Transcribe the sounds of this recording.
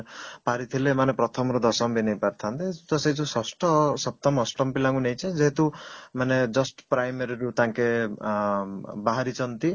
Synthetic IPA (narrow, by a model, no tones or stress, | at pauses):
paɾit̪ʰilemanepɾɔt̪ʰɔmɔɾud̪ɔsɔmbinejpaɾt̪ʰant̪eud̪ɔset͡ʃʰusɔsʈɔsɔb̚t̪ɔmɔsʈɔmpilaŋɡunejt͡ʃʰed͡ʒeɦet̪umaned͡ʒʌsʈpɾajmeɾiɾut̪aŋke | baɦaɾit͡ʃʰɔnt̪i